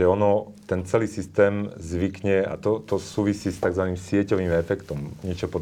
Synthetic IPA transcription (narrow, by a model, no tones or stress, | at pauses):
ɛɔnɔ | t̪ɛnt͡sɛliːsist̪ɛːmzʋikɲɛa̰t̪ɔt̪ɔsuːʋisiːst̪aɡzʋaniːmsɪɛcɔʋiːmɛfɛkt̪ɔmɲɛt͡ʃɔpɔ